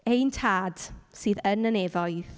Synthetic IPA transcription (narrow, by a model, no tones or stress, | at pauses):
ejntʰaːd̥siːðənənɛvɔjθ